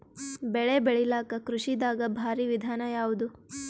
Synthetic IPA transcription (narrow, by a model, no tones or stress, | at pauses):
bɛɭebɛɭilaːkɐkɾuʂid̪aːɡɐbʱaːɾiʋid̪ʱaːnɐjaːʋud̪u